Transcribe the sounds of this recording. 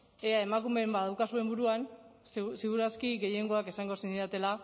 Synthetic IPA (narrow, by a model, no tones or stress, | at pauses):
e̞ae̞makume̞mbaðawkasue̞mbuɾuanssiɣuɾaskiɣe̞je̞ŋɡo̞akesaŋɡo̞sinisat̪e̞la